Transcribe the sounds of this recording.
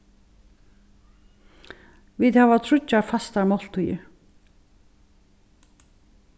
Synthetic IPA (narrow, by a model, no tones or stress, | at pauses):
viðhɛvat̪ʰɾʊt͡ɕːaɾfast̪aɾmɔl̥t̪ujɪ̰